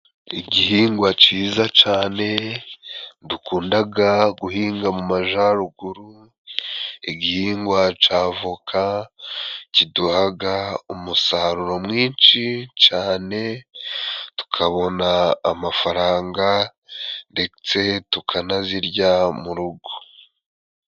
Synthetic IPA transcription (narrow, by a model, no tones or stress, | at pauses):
iɟihiːŋɡwat͡ʃiːzat͡ʃaːne̞ | dukuːndaɡaɡuhiːŋɡamumaʒaɾuɡuɾu | iɟihiːŋɡwat͡ʃaːvukʰa | ciduhaɡaumusaɾuɾo̞mŋiːnt͡ʃit͡ʃaːne̞ | tu̥kʰaβo̞naːmafaɾaːŋɡa | nde̞t͡se̞tukʰanaziɾɟamuɾuɡo